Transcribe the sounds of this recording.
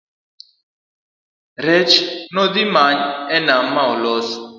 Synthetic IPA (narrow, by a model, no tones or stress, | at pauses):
ɾɛt͡ʃnɔðimaɲɛnamːawlɔs